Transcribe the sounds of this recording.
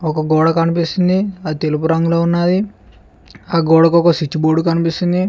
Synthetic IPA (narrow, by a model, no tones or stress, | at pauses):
ɔkɐɡɔːɽɐkɐnipist̪und̪iɐd̪it̪elupuɾɐŋɡuloːunːaːd̪i | aːɡoːɽɐkɔkɐsit͡ʃːuboːɖukɐnipist̪und̪i